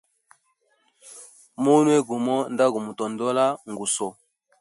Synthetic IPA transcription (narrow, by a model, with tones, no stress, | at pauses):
mo˦nwɛ˦ɡu˨mɔ˦nda˦ɡu˨mu˨tɔ˨ndɔ˦la˦ŋɡu˨sɔ˨